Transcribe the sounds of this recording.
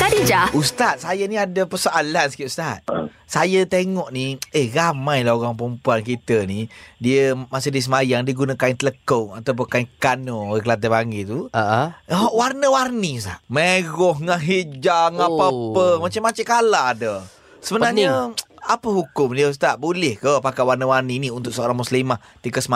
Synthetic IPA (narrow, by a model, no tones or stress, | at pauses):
t̪adid͡ʒaust̪at̪̚sajaniadapəsoʔalansə̥kiʔ̪ust̪at̪̚ | sajət̪eŋɔʔniehramãjlaoɣaŋpəɾəmpuank̬it̪ənidiəmasehdiəsəmajaŋdiəɡunakaint̪ələkoa̰t̪awp̬ʊnkaiŋkanoakəlat̪̬abaŋit̪uaʔɦɔʔwarnəwarnisa̰ʔmeɣɔhŋaʔɦid͡ʒaŋapapəmat͡ʃamːat͡ʃakaladə | səbəbnaɲəapəɦukʊmdiəus̬t̪aʔbulɪhkəpakawarnəwarniniunt̪ʊʔsəoɾaŋmuslimaht̪ikaʔsəma